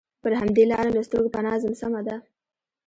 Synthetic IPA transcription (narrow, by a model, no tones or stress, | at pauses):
pəɾɦamd̪elɑɾalast̪əɾɡopanɑzamsamad̪a